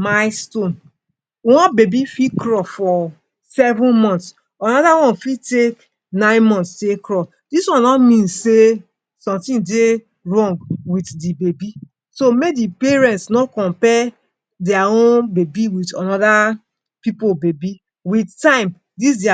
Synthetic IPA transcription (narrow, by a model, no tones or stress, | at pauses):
maɪstõn | wɔ̃nbebifikɹɔsfɔ | sɛvũnmɔ̃nts | anɔdawɔ̃nfitek | nãɪ̃nmɔ̃ntsdekɹɔs | diswɔ̃nːɔmĩnse | sɔ̃mtĩnde | ɹɔ̃ŋɡwitdibebi | somedipɛɹɛ̃ntsnɔkɔ̃mpɛ | dɛaõnbebiwitanɔda | pipobebi | wittãɪ̃m | dis̬dɛa